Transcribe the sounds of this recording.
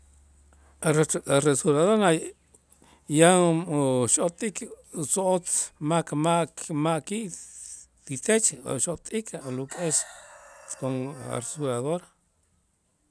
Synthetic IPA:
aeaɾesuɾaðoɾna | ja | ʃot̪ʼik | soot͡smakmamakiʔ | t̪it̪et͡ʃo̰ʃot̪ʼikʰlukʼes | koŋa̰resuɾaðoɾ

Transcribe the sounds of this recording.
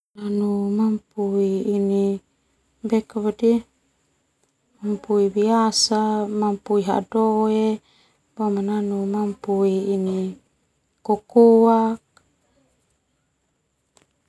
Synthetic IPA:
nanumampuiːni | bɛkaβadi | mampuibiasamampuiɦa̰doe | bamananumampuiːni | kokoak̚

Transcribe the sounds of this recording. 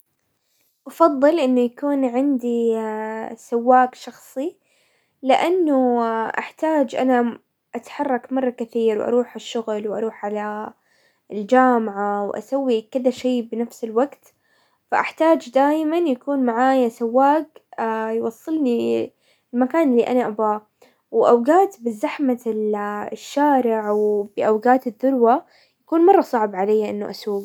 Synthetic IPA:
ʔɑfɑðˤːɨlʔɪnːʊjakuːnʕɪnd̪i | sawːaːɡʃɑxsˤi | lɪʔanːʊʔa̰ħt̪aːd͡ʒʔa̰na | ʔat̪ħɑrˤːɑkmɑrˤːɑkɪθiːɾwʔɑ̰ɾˤuːħɪʃːʊɣlwʔɑ̰ɾˤuːħʕala | ɪld͡ʒaːmaʕawʔa̰sawːikɪd̪aʃeːbɪnafsɪlwaɡt̪ | faʔaħt̪aːd͡ʒd̪aːjmanjakuːnmaʕaːjasawːaːɡjwɑsˤːɨlni | lmakaːnɪlːiːʔanaʔabaː | wʔawɡaːt̪bɪzːaħmalʃːaːɾɪʕwbɪʔawɡaːt̪ɪðːʊɾwa | jakuːnmɑrˤːɑsˤɑʕbʕalajːaʔɪnːʊʔasuːɡ

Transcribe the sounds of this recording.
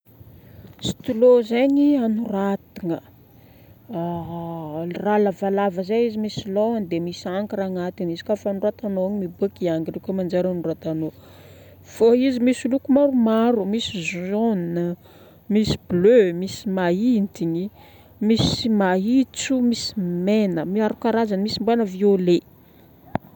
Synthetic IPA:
si̥t̪ulozeɲianurat̪iŋə | a | ralavalavəzeizimisiloand̪emisaŋkiɾaŋat̪inizi̥kafanurat̪anoaɲimibukiaŋirekʲomand͡ʒaɾanurat̪ano | v̥oizimisulukumaɾumaɾumisizoninə | misi̥blømisi̥maint̪iɲi | misimait͡sumisi̥menəmiaɾukaɾazanimisimbenəviole

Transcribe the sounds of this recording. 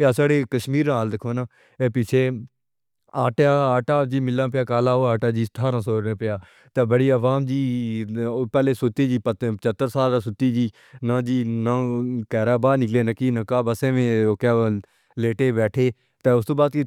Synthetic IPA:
aːsaːɽeːkəʃmiːɾnaːld̪ɪkʰoːnãː | eːpɪt͡ʃʰeː | aːʈaːaːʈaːd͡ʒiːmɪlãːpɪjaːkaːlaːoːaːʈaːd͡ʒiːst̪ʰaːɾãːsoːɾãːpɪjaː | t̪ẽːbəɽiːəʋaːmd͡ʒiː | pɛːleːsʊt̪eːd͡ʒiːpəət͡ʃət̪ːəɾsaːlaːsʊt̪ːiːd͡ʒiː | nãːd͡ʒiːnãːkɛːɾaːbaːnɪkleːnəkiːnə̃kaːbəsẽːʋẽːoːkaː | leːʈeːbɛːʈʰeː | t̪eːʊst̪õːbaːd̪ki

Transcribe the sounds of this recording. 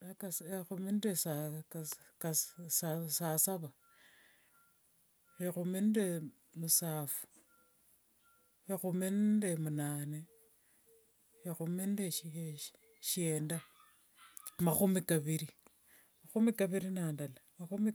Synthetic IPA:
kasexumindesa | kasasasaβa | exuminde | musaːfu̥ | hexumendemunaːne | exumindeʃ | ʃieːnda | maxumikaβiɾi | maxumikaβiɾinaːndalamaxumi

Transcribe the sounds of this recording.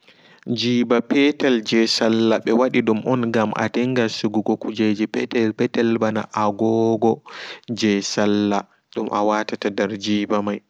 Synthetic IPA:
d͡ʒiːbapɛtɛld͡ʒɛsalːaɓɛwaɗiɗumʔɔnɡamʔa̰tɛŋɡasuɡuɡɔkud͡ʒed͡ʒipɛtɛpɛtɛlbana̰ʔaɡɔɡɔd͡ʒɛsalːa | ɗumʔawatatadɛɾd͡ʒiːbamaj

